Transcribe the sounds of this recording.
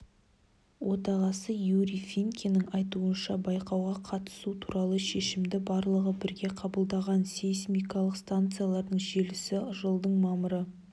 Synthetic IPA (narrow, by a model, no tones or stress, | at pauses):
wʔot̪ɑʁɑsəjuɾifiŋkʲenɪŋɑjt̪uənʃɑbɑjqɑwʁɑqʰɑt̪ə̥sut̪ʰu̥ɾɑlˠəʃe̞ʃɪmd̪ɪbɑɾlˠəʁəbɪɾɡʲe̞qʰɑbəlˠd̪ɑʁɑnsejsmʲijkɑlˠəqst̪ant̪sɨjalˠɑɾd̪əɴʒe̞lɪsɪʒəlˠd̪əɴmɑməɾə